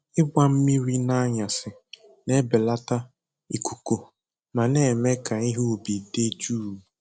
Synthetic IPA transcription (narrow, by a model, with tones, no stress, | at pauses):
ɪ˦ɡ͡bʷa˦m̩˦mi˦ɾi˦na˦a˦ɲa˨sɪ˨ | ne˦bɪ˨la˦ta˦ | i˨ku̥˨ko˨ | ma˨ne˨me˦ka˨i˦ɦu˦˨bi˨de˦d͡ʒuː˦˨